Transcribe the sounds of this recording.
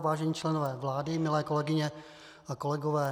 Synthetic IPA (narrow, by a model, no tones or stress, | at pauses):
vaːʒɛɲiːt͡ʃlɛnovɛːvlaːdɪmɪlɛːkolɛɡɪɲɛ | akolɛɡɔvɛː